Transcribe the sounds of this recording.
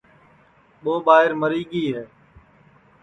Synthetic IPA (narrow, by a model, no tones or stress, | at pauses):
ɓoːɓaːɦɪɾməɾiːɠiːɦɛː